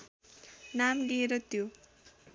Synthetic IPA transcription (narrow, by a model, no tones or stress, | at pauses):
namɡeɾʌt̪jo